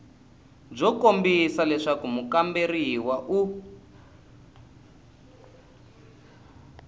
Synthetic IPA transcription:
b͡ʐɔkombisalɛʂakumukamberiwaʔu

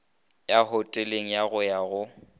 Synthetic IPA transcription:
jahʊtʼeleŋ̩jaɣʊjaɣʊ

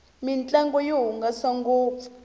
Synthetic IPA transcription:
mint͡ɬʼaŋɡɔjiɦuŋɡasaŋɡɔ̥ː

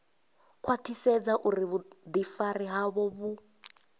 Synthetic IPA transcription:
kʰwatʰisɛd͡zaʔuɾiβud̪ifariɦaβɔβu

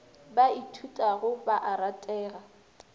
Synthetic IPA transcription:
baitʰutʼaɣʊbaʔaɾatʼɛːɣa

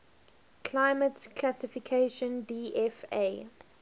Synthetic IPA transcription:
kʰlaɪmətkʰlasifikʰeʃə̃ndiːʔɛfḛ

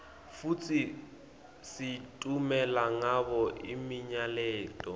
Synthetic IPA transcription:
fut͡sʼi | sitʼumɛlaŋaβɔʔimiɲalɛːtʼɔ

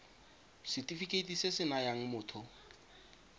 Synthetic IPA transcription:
sɪtʼifikʼetʼisɪsɪnajaŋ̩mʊːtʰɔ

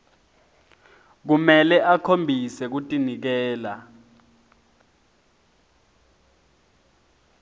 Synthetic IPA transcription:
k̬umɛlɛʔakʰombʱisɛk̬utʼinik̬ɛːla

